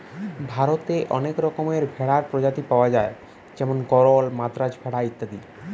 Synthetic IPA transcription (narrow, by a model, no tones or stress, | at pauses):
bʱaɾot̪eʔɔ̰nekɾɔkomeɾbʱɛɽaɾpɾod͡ʑat̪ipaoad͡ʑae | d͡ʑɛmonɡɔɾolmad̪ɾad͡ʑbʱɛɽait̪ːad̪i